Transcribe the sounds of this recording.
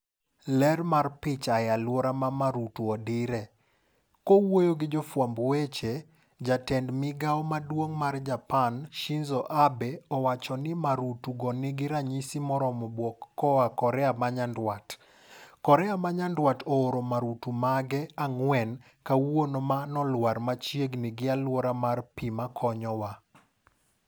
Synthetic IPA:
lɛrmarpɪt͡ʃajalwoɾamamaɾutuɔdɪɾɛ | kowojoɡɪd͡ʒɔfwambwet͡ʃe | d͡ʒatɛndmɪɡaɔmadwoŋmard͡ʒapanʃinzɔʔabɛɔwat͡ʃɔnɪmaɾutuɡɔnɪɡɪɾaɲisimɔɾɔmɔbwokːɔakɔɾɛamaɲandwat | kɔɾɛamaɲandwatɔːɾomaɾutumaɡɛaŋwɛn | kawwonomanɔlwaɾmat͡ʃjeɡnɪɡɪalwoɾamarpimakʰɔɲɔwa

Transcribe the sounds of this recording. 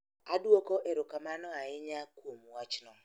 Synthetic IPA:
aduokɔʔɛɾʊkamanɔaɪɲakwomuwat͡ʃnɔ

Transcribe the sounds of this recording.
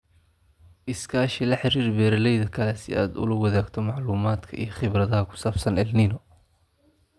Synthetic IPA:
ʔɪskʰaːʃɪlɐħɪɾiːrbɛːɾɐlɛjðɐkʰɐlɛsɪ̰a̰ːd̪ʊ̰lɐwɐðaːɡt̪ʰɔmɑʕluːmaːd̪kʰɐ̰ʔḭjɞχɪβrɐðɐɦɐkʰʊ̥saːbsɐnɛlniːnɔ

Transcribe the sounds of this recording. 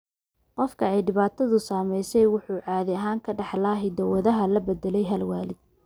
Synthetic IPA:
qɔfkʰɐɛjɖɪβaːt̪ʰɐðʊsaːmɛjsɛjwʊħuːʕɑːðɪɐɦaːŋkʰɐɖɑħlaːɦɪd̪ɐwɐðɐɦɐlɐbɛd̪ɛlɛjɦɐlwaːlɪd̪̥̚

